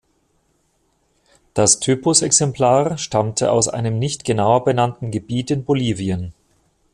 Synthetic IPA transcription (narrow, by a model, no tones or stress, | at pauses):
d̥astʰyːpʊsɛksɛmplaːʁʃtamtʰəʔa̰ʊsʔa̰ɪnəmnɪçtɡ̥ənaʊɐbənantn̩ɡəbiːtɪnboliːviən